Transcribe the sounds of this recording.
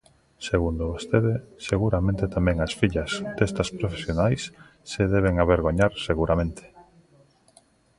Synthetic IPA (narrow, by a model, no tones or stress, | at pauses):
seɣund̪oβost̪eðeseɣuɾamẽnt̪et̪amɛ̃ŋɐsfiʎɐzd̪est̪ɐspɾofesjonajs | seðɛβ̞eŋaβeɾɣoɲaɾseɣuɾamẽnt̪ʰe̥